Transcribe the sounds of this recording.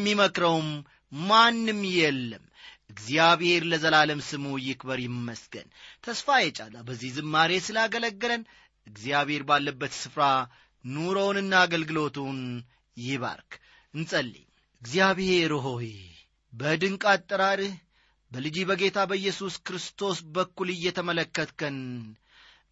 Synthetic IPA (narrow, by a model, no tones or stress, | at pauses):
mːiməkɾəwm | manːɨmːjɛlːəm | ʔɨɡzijaβhe̞ɾləzəlaləmsɨmujɪkbəɾjɪmːəsɡə̰nt̪ʰəsfajɛt͡ʃʼalawbəzːihzɨmːaɾe̞sɨlaɡələɡːələn | ɨɡzijaβhe̞ɾbalːəbːət̪sɨfɾa | nuɾownɨnːaːɡəlɡɨlo̞t̪ʰun | jɪβa̰ɾkʰ | ɨnsʼəlːḭɲ | ʔɨɡzjaβhe̞ɾoɦohe | bəd̪ɨŋkʼat̪ʼːəɾaɾɨh | bəlɨd͡ʒibəɡe̞t̪ʰabəɨjːɛsuskɾɨst̪ʰo̞sbəkːulɨjːɛt̪ʰəmələkːət̪kən